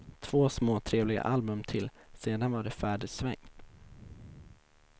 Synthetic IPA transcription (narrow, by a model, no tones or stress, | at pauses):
t̪ʰv̥oːsmoːt̪ʰɾeːvlɪɡa̰ʔalbɵmt̪ʰɪlseːd̪anvaɖɛfæːɖəsvɛ̰ŋ